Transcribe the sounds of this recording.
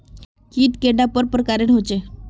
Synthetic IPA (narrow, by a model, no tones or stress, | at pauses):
kiːt̪keɖapəɾpɾəkaɾeɳɦot͡ɕe